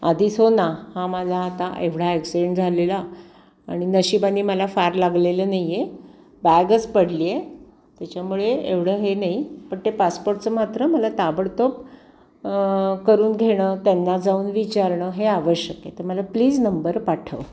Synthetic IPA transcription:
ad̪ʱisɦonahãməlaːt̪aʔeʋɽ̤aeksiɖeɳʈd͡zʱalelaː | ɽ̃inəɕibaniːməlafaɾlaɡlelənaijje | baɡət͡spəɽliːe | t̪jat͡ɕamuɭeeʋɽ̤əːɦenaipəɳt̪epaspoɾʈt͡səmat̪ɾəməlat̪abəɽt̪op̚ | kəɾuːnɡʱeɽ̃ət̪anːad͡zauːnʋit͡ɕaɾɳəɦeaʋəɕjəket̪əɾməlapliːd͡znəmbəɾpaʈʰəʋ

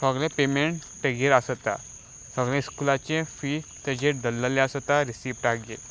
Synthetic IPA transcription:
səɡlẽpemeɳʈ | ʈeɡeɾasət̪a̰ | səɡlẽiskulat͡ɕẽfit̪ed͡ʑeɖəlːəlẽəsət̪aɾisiːpʈaɡe

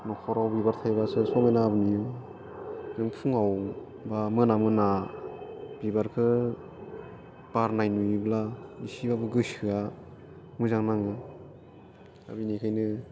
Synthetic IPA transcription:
nɔkʰɔɾawbibaɾt̪ʰajβasɯsɔmejnaːbɯnijɯ | nɯŋpʰuŋaw | bamɯnamɯna | b̥ibaɾkʰɯ | b̥aɾnajnuiblaisibabɯɡɯsɯa | mɯzaŋnaŋɯ | a̰binikʰajnɯ

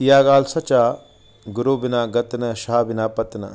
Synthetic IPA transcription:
jaːɡaːlsɐt͡ʃaː | ɡuɾoːbinaːɡɐt̪nɐʃaːbinaːpɐt̪nɐ̰

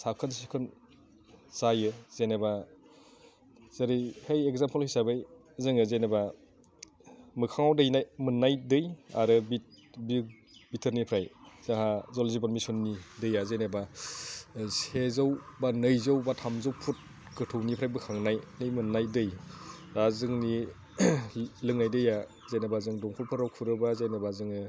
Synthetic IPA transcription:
sakʰɯnsikʰɯn | zajɯz̥eneba | zaɾihejekzampʰlhɯjsabɯj | zɯŋɯzeneba | mɯkʰaŋawdɯjnajmɯnːajdɯja̰ɾɯbit̚ | bi | bitʰɯɾnipʰɾajz̥aŋɦazɔlzibaɾmisunːidɯjazajnaba | sezawbanɯjzawbatʰamzɯwpʰut̚ | ɡɯtʰɯwnipʰɾajbɯkʰaŋnajnɯjmɯnːajdɯj | ɾazɯŋni | lɯŋnajdɯja | zajnabazɯŋdɔŋkʰɔlpʰɯɾawkʰuɾɯbazajnabazɯŋɯ

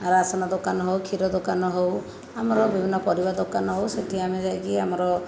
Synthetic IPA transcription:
aɾasɔnad̪okanɔɦowkʰiɾɔd̪okanɔɦow | amɔɾɔbibʱinɔpɔɾibad̪okanɔɦowseʈʰiamed͡ʒajɡiamɔɾɔ

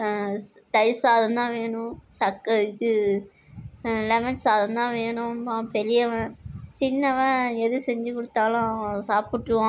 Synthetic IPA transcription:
t̪ɐɪsaːðɐnd̪ãːʋeːɳʊ̃sɐkːɐɯkːɯ | lɛmɪʈsaːðɐ̃nd̪ãːʋeːɳʊ̃pãːpɛlɪjɐʋɐ̃t͡ʃɪnːɐʋɐ̃ɛðɯsɛɲd͡ʒɯkʊɽɯt̪ːaːlʊ̃ɐʋɐ̃saːpɪʈːɯʋãː

